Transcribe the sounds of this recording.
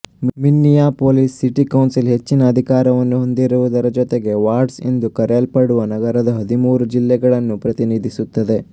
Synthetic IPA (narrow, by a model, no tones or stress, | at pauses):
minːijaːpoːlisːiʈikɐwnsilɦe̞t͡ʃːinɐːd̪ʱikaːɾɐʋɐnːuɦo̞nd̪iɾuʋud̪ɐɾɐd͡ʒɔt̪eɡe̞ʋaːɾɖsḛnd̪ukɐɾelpɐɽuʋɐnɐɡɐɾɐd̪ɐɦɐd̪ʱimuːɾud͡ʒilːɛɡɐɭɐnːupɾɐt̪iniːd̪ʱisut̪ːɐd̪e̞